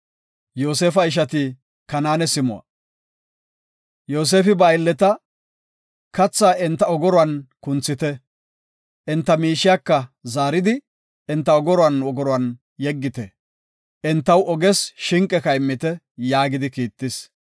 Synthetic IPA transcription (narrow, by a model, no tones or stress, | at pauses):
joːseːfɐɪʃ̬ɐt̪iː | kɐnaːnɛsɪmʊ̰a̰ | jo̞ːs̬e̞ːfɪbɐjlːɛt̪ɐ | kɐt͡sːaːɪnt̪ːɐɔɡɔɾɔɐnkʊnt͡sːɪt̪ɛ | ʔɪnt̪ːɐmiːʃɪjakːɐzaːɾɪd̪ɪ | ɛnt̪ːɐɔɡɔɾɔɐnɔɡɔɾɔɐn | jɛɡːɪt̪ɛ | ʔɪnt̪ːɐwɔɡɛsʃɪŋkʼːɛkɐjmːɪt̪ɛ | jaːɡɪd̪ɪkiːt̪ːɪs